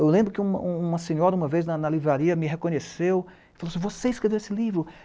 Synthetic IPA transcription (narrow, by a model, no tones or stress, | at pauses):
ewlẽbɾʊkɪũmɐ̰ũũmɐsẽɲɔɾɐũmɐveznɐnɐlivɾaɾiɐmɪɦekõɲesew | ɪ̥falosĩvoseɪiskɾevewesɪlivɾʊ